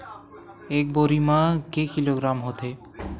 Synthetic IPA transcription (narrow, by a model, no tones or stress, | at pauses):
ek̚boɾimakekiloɡɾamɦot̪ʰe